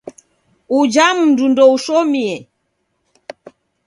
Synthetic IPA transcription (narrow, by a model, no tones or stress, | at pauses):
ud͡ʒamundundɔuʃɔmiɛ